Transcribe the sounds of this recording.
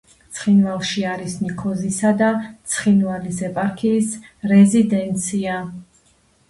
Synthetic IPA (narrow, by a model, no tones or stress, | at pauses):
t̪sʰχinvalˠʃiaɾisnikʰɔzisad̪at̪sʰχinvalisɛpʼaɾkʰiːsɾɛzid̪ɛnt̪sʰia